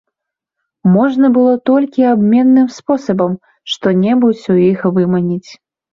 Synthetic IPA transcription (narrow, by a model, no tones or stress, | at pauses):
mɔʐnɐbɨlˠɔt̪ɔlʲkʲiabmʲɛnːɨmspɔsɐbɐm | ʂt̪ɔnʲɛbut͡sʲujixvɨmɐnʲit͡sʲ